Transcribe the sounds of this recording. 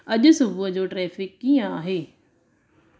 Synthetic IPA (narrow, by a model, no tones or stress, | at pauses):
ɐʄʊ̆sʊbʊəd͡ʑoːʈɾɛːfɪkːiə̃aːɦeː